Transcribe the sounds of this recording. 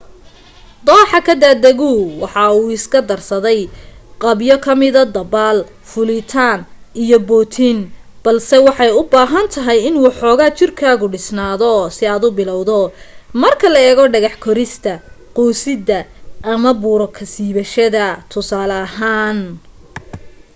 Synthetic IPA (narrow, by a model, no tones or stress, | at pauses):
d̪ɔːħɑkʰɐd̪ad̪ɐɣuːwɑħɑuːɪskʰɐd̪ɐrsɐðɛjqɑbjɔkʰɐmɪðɐd̪ɐbaːl | fʊlɪt̪ʰaːnʔijɔbɔːt̪ʰɪn | b̥ɐlsɛwɑħɑjʊbaːɦɐnt̪ʰɐɦɛjɪnwuːħɔːɣaːt͡ʃɪrkʰaːɣʊɖɪsnaːðɔsɪaːd̪ʊbɪlɔwðɔmɐrkʰɐlɐɛːɣɔɖɐɣɑħkʰɔɾɪst̪ʰɐ | qɔːsɪd̪ɐʔːmɐbuːɾɔkʰɐsiːβɐʃɐðɐt̪ʰʊsaːlɐːɦaːn